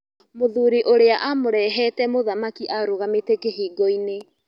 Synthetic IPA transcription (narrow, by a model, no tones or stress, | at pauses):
moðuːɾiʔoɾeaʔamoɾɛɦɛtɛmoðamakiʔaɾoɣametekeɦiːɡɔine